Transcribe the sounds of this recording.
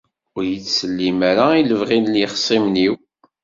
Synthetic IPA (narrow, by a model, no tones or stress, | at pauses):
ʊɾjət͡sːsəlːimaɾailəvʁinliχə̥sˤimniw